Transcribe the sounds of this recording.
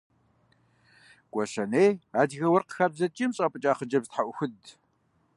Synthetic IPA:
kʷʼɔʃɐneːaːdɣɐwɐrqəxaːbzɐt͡ʃʼiːmɕʼɐpʼɨt͡ʃʼaːχəd͡ʒɐbstħaʔʷʊxʷʊd

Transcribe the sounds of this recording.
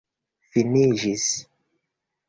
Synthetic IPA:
finiʒis

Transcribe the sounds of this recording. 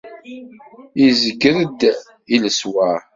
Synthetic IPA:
izəɡːəɾəd̪ | iləswæ

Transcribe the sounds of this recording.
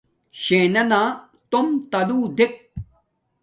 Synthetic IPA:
ɕeːnɐnaː | t̪omt̪ɐluːd̪ik̚

